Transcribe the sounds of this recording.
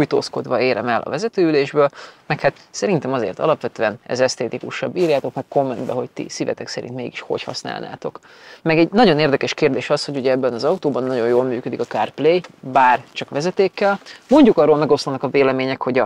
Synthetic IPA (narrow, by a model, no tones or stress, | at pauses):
ujt̪o̰ːsko̞d̪ʋɒeːɾɛmɛlʔɒ̰vɛzɛt̪øːyleːʒbøːlmɛkhat̪sɛɾint̪ɛmɒzḛːrt̪ɒ̰lɒpʋɛt̪øːɛnɛ̰zɛst̪eːt̪ikuʃɒbːiːrjaːt̪o̞kmɛkko̞mːɛnd̪bɛɦo̞ct̪ḭsivɛ̰t̪ɛksɛɾḭnt̪meːɡiʃho̞̰chɒ̰sna̰ːlna̰ːt̪o̞k | mɛɡɛɟnɒɟo̞neːrd̪ɛkɛʃkeːrd̪eːʃɒsho̞ɟuɟɛɛbːɛnɒzɒut̪oːbɒnːɒɟo̞joːlmyːkød̪ikɒkaːrpleːjbaːrt͡ʃɒkʋɛzɛt̪eːkːɛlmo̞ɲɟukɒrːoːlmɛɡo̞slɒnɒkɒveːlɛmeːɲɛkho̞ɟɒ